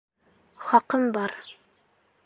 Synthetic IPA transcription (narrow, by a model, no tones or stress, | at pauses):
χɒqɤnbɑɾ